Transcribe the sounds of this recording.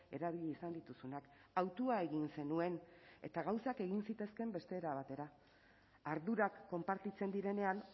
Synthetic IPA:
e̞ɾaβiʎiisand̪it̪usunakawt̪uae̞ɣinse̞nue̞ne̞̰t̪aɣ̞awsake̞ɣinsit̪e̞ske̞mbe̞st̪e̞ːɾaβ̞at̪e̞ɾaː | ɾðuɾakːo̞mpaɾt̪it͡se̞nd̪iɾe̞ne̞an

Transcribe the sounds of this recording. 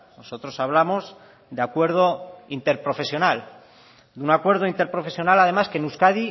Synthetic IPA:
no̞so̞t̪ɾo̞saβ̞lamo̞z | d̪eakwe̞ɾð̞o̞int̪e̞ɾpɾo̞fe̞sjo̞nal | d̪unakwe̞ɾðo̞int̪epɾo̞fe̞sjo̞nalað̞e̞maske̞nuskaði

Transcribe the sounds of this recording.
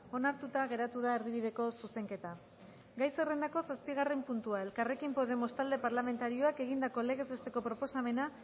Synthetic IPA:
o̞naɾt̪ut̪aɣ̞e̞ɾat̪uð̞ae̞ɾðiβ̞iðe̞ko̞suse̞ŋke̞t̪a | ɡajsere̞nd̪ako̞saspiɣ̞arempunt̪uae̞lkare̞kimpo̞ðe̞most̪ald̪e̞paɾlame̞nt̪aɾio̞ake̞ɣ̞ind̪ako̞le̞ɣ̞e̞zβe̞st̪e̞ko̞pɾo̞po̞same̞na

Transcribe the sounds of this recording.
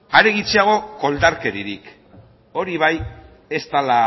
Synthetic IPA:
aɾe̞ɣ̞it͡seaɣ̞o̞ko̞ld̪aɾke̞ɾiɾḭk | o̞ɾiβ̞aj | e̞st̪ala

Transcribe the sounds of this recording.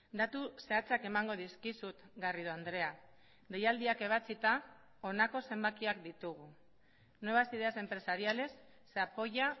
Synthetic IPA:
d̪at̪use̞at͡sake̞maŋɡo̞ðiskisut̪ɡariðuand̪ɾe̞a | d̪e̞jald̪iake̞β̞at͡sit̪a | o̞nako̞se̞mbakiakd̪it̪uɣ̞u | noeβasiðease̞mpɾe̞saɾiale̞sː | apo̞ʝa

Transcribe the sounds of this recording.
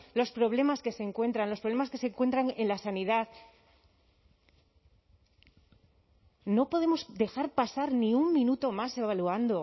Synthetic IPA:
lo̞spɾo̞βle̞maske̞se̞ːŋkwe̞nt̪ɾanlospɾoβlemaske̞se̞ŋkwe̞nt̪ɾaŋe̞nlasaniðað | no̞po̞ð̞e̞mo̞sd̪e̞xaɾpasaɾnĩumːĩnut̪o̞mase̞βaluand̪o̞

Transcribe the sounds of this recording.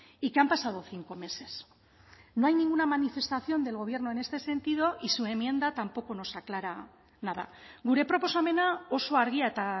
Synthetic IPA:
ikeampasað̞oθiŋko̞me̞se̞s | no̞ajnĩŋɡunamanife̞st̪aθjo̞nd̪e̞lɣ̞o̞β̞je̞ɾno̞ene̞st̪e̞se̞nt̪ið̞o̞ʔisue̞mje̞nd̪at̪ampo̞ko̞no̞saklaɾa | nað̞a̰ɣuɾe̞pɾo̞po̞same̞nao̞so̞aɾɣ̞iaet̪a

